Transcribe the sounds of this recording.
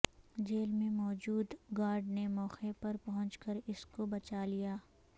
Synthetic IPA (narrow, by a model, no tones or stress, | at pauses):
d͡ʒeːlmẽmɔːd͡ʒuːd̪ɡaːɾɖnemɔːxepɐɾpɐɦʊ̃nt͡ʃkəɾɪskobɐt͡ʃalijaː